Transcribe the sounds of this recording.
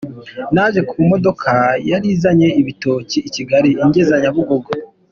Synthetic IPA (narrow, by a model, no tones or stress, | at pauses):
naʒe̞kʰumo̞do̞kʰajaɾiːzaɲe̞iβito̞ːciːciɡaɾiiɲɟezaɲaβuɡo̞ɡo